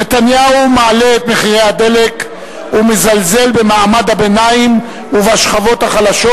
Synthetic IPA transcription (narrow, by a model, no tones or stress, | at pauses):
net̪anjaumaːleet̪meχiʁejad̪e̞lek | umezalze̞lbe̞maːmad̪habe̞naim | uveaʃχavo̞t̪haχalaʃo